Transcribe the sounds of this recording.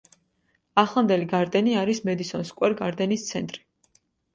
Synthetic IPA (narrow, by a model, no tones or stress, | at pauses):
aχlˠand̪ɛliɡaɾd̪ɛniaɾismɛd̪isɔnskʼwɛɾɡaɾd̪ɛnist̪sʰɛnt̪ʼɾi̥